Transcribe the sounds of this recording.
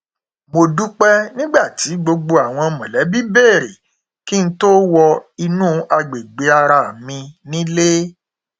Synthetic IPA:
mo˧du˦k͡pɛ˦nĩ˦ɡ͡ba˦˨ti˨˦ɡ͡bo˧ɡ͡bo˧a˨w̃ɔ̃˧mɔ̃˨lɛ˨˦bi˦be˦˨ɾe˨ | ki˦n̩˦to˦wɔ˧i˧nũ˦a˧ɡ͡be˨ɡ͡be˨˦a˧ɾa˧˨mĩ˧nĩ˦le˦

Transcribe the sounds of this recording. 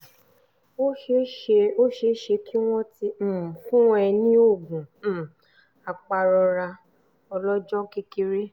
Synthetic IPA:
o˦˧o˦ʃe˧˦ʃe˧kʰi˦w̃ɔ̃˦ti˦m̩˦˨m˨fũ˦ɛ˧nĩ˦o˦˨ɡũ˨˦ | a˨k͡pa˧ɾɔ˧ɾa˧ | ɔ˧lɔ˦d͡ʒɔ̃˦ke˦ki˧ɾi˦

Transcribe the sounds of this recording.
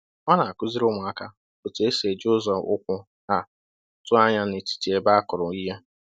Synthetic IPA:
ŋa˦na˨a˨kʊ˦zi˦ɾʊ˦mʊ˨a˦ka˦pʊ˨te˦se˨d͡ʒo˦zɔ˨ʊ̰˦kʷʊ˦ | ɦa˨ | tʊ˦a˦ɲa˦ne˨ti̥˨ti˨e˨ba˦kʊ˨ɾʊ˨i˦ɦa˦

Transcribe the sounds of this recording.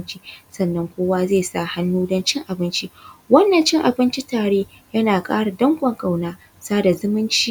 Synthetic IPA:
nt͡ʃi˦sɐ˨nːɐ˦ŋkʷoː˦waː˦zeː˦˨saː˦˨ha˦nːuː˦dɐ˦nt͡ʃɪ˦ŋʔa˨bɪ˦nt͡ʃi˦wɐ˦nːɐ˨nt͡ʃɪ˦ŋʔa˨bɪ˦nt͡ʃi˦taː˨ɽeː˦ | jɐ˦naː˨kʼa̰ː˦ɽa˨dɐ˦ŋɡʷʼɐ˨ŋkʼa˨wnaː˦ | saː˦da˨zʊ˦mɪ˦nt͡ʃi˦

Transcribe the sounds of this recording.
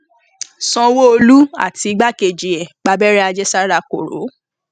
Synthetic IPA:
sɔ̃˧wo˦o˧lu˦a̰˦˨ti˧i˧ɡ͡ba˦ke˨d͡ʒi˨ɛ˨ɡ͡ba˨˧bɛ˦ɾɛ˦a˧d͡ʒɛ˦sa˦ɾa˦˧ko̰˨ɾo̰˨˦

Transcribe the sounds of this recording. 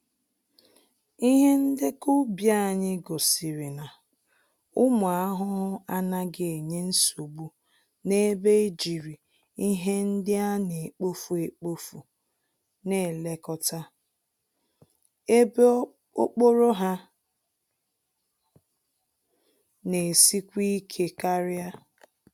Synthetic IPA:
i˦ɦe˦n̩˦dɪ˦kʊ˦bja˦˨ɲɪ˦ɡo˨sɪ˨ɾɪ˨na˨ | ʊ˦mʊ˨a˦ɦʊ˦ɦʊ˦a˦na˦ɡe˦˨e˨ɲe˦n̩˦su˨bu˦ | ne˦be˦e˦d͡ʒi˨ɾi˨ | i˦ɦe˦n̩˦dɪ˦a˦ne˨k͡po˦fu˨e˨k͡po˦fu˨ | ne˨le˦kɔ˨ta˦ | e˦b | o˦k͡po˦ɾo˦ɦa˦ | ne˨si˦kʷi˦kʰe˦ka˦ɾɪ˦a˦

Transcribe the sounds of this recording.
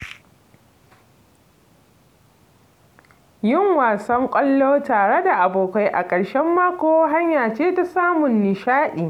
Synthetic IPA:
jɪ˦ŋwaː˨sɐ˦ŋkʷʼɐ˦lːoː˦taː˨ɽe˦da˨ʔa˨boː˨ka˦jʔa̰˨kʼɐ˨ɽʃɛ˦mːaː˦kʷoː˦wɦa˦ɲjaː˨t͡ʃeː˦ta˦saː˦mʊ˨nːɪ˨ʃaː˦ɗiː˨

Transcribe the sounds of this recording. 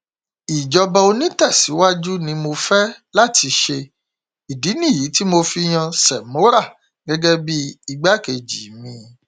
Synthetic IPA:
i˨d͡ʒɔ˧bɛ˧o˧nĩ˦tɛ˦˨si˨˦wa˦d͡ʒu˦nĩ˧mo˧fɛ˦la˦˨ti˨˧ʃe˧ | i˨di˨˦nĩ˦˨ji˨˦ti˦mo˧fi˧j̃ã˧sɛ˨mõ˨˦ɾa˦˨ | ɡɛ˦ɡɛ˦bi˦i˧ɡ͡ba˦ke˧d͡ʒi˨˦mĩ˧

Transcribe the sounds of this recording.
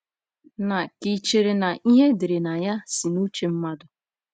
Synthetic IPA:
na˨ki˨t͡ʃe˨ɾe˨na˨ʔi˦ɦe˦dɪ˨ɾe˨na˨ja˦si˨nu˦t͡ʃe˦m̩˦ma˦dʊ˨

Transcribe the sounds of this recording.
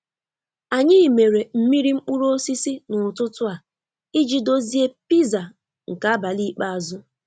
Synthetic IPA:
a˨ɲɪ˦i˨me˨ɾe˨m̩˦mi˦ɾi˦ŋ͡m̩˦k͡pu˦ɾo˦si˦si˦nʊ˨tʊ˦tʊ˦a˨ | i˦d͡ʒi˦do˦zi˦e˦pi˦za˨ | ŋ̩˨ka˦a˦ba˨li˦k͡pa˦a˨zʊ˦

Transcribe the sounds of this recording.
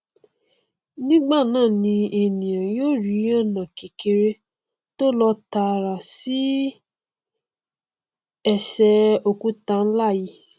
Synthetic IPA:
nĩ˦ɡ͡ba˦˨nãː˦˨nĩ˧e˨nĩ˨jã˨jo˦ɾi˨˦ɔ˦˨nã˨ke˨ke˧ɾe˧ | to˦lɔ˧ta˧˨ɾa˨si˦ | ɛ˦˨ʃɛ˧o˧ku˨˦ta˧n̩˦la˦˨ji˧˦

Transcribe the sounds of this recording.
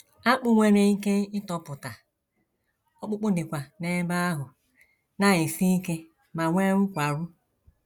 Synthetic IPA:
a˦k͡pʊ˦ŋʷe˦ɾe˨i˦ke˦ɪ˦tɔ˦pʊ˨ta˨ | ɔ˦k͡pʊ˦k͡pʊ˦dɪ˨kʷa˨ne˦ba˦a˦ɦʊ˨ | na˦ɣɪ˨si˦i˦ke˦ | ma˨ŋʷe˦ŋʷʊ˦kʷa˨ɾʊ˦

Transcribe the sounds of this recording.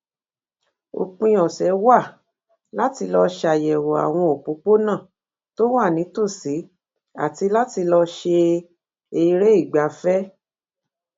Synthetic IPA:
o̰˨k͡pĩ˧jɔ˨sɛ˨˦wa˦˨ | la˦ti˧lɔ˧ʃa˨jɛ˨wo˨a̰˨w̃ɔ̃˧o˨k͡pũ˨˦k͡po˦nã˦˨ | to˦wa˦˨nĩ˨˦to˦˨si˨˦ | a̰˦˨ti˧la˦ti˧lɔ˧ʃe˧ | e˧ɾe˦i˦˨ɡ͡ba˨˦fɛ˦

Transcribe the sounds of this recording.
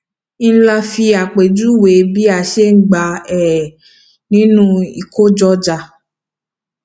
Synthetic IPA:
n̩˦la˧fi˧a˨k͡pe˨d͡ʒu˦we˨bi˦a˨ʃe˦ŋ̩˦ɡ͡ba˧ɛ˨ | nĩ˦nũ˦i˨ko˦d͡ʒɔ˧˦d͡ʒa˧

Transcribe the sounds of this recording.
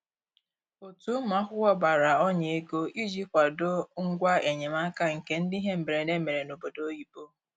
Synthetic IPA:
o˨tu˨˦m˦a˦ɦʷʊ˦wɔ˦ba˨ɾa˨ɔ˦ɲe˨e˦ɡo˦i˦d͡ʒi˦kʷa˨do˦ŋ̩˦ɡʷa˦e˨ɲe˨ma˦ka˦ŋ̩˨ke˨n̩˦di˦ɦe˦m̩˨me˨ɾe˨ne˦me˨ɾe˨no˨bo˨do˦ji˨bo˦

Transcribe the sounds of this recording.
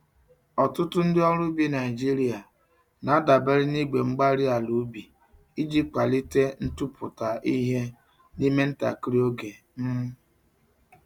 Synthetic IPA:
ɔ˨tʊ˦tʊ˦n̩˦dɪ˦ɔ˦ɾʊ˦bi˦na˨i˨d͡ʒi˦ɾi˦a˨ | na˨˦a˦da˨be˦ɾɪ˦ni˦ɡ͡be˨ŋ͡m̩˦ɡ͡ba˦ɾi˦a˨lu˨˦bi˨ | i˦d͡ʒi˦kʷa˨li˦te˦n̩˦tu˦pʰʊ˨ta˨ʔi˦ɦe˦ | ni˦me˦n̩˦ta̰˨kɾi˦o˦ɡe˨ | m̩˦mʊ˦

